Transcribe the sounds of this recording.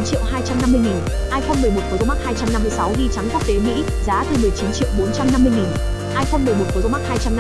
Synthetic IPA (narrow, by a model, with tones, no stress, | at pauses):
nt͡ɕḭ˧˨wɦaː˧jt͡ɕa˧mna˧mːɨ˧əjŋi˨˩n | ʔaː˧jfo˧nmɨ˨˩əjmo˨˩t̚kt̪o˧˩m˦˥k̚haː˧jt͡ɕa˧mna˧mːɨ˧əjsa˨˦wɗi˧t͡ɕa˨˦ŋku˦˥k̚t̪e˨˦mḭ˧˥ | zaː˨˦t̪ɨ˧˩mɨ˨˩əjt͡ɕi˨˦nt͡ɕḭ˧˨wɓo˨˦nt͡ɕa˧mna˧mːɨ˧əjŋi˨˩n | ʔaː˧jfo˧nmɨ˨˩əjmo˨˩t̚kt̪o˧˦ma˦˥haː˧jt͡ɕa˧mn˧